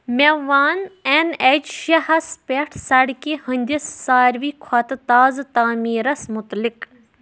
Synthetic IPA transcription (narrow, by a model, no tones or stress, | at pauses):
mʲeʋaːnened͡ʒʃɐhɐspʲeʈʰsɐɽkehə̃nd̪ʲisːaːɾʋiːkʰɐt̪ɨt̪aːzt̪aːmiːɾɐsmʊt̪lik